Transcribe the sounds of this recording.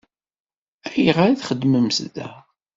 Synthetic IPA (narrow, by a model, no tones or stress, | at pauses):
æjəʁaɾaθχəd̪məmsðæ